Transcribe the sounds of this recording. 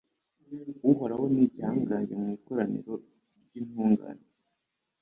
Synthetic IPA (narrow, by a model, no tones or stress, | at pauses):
wuɦoɾaho̞nibɟaŋɡaɲɟemŋiːkoɾanḭɾo̞ | ɾɟinhuːŋɡa̰ne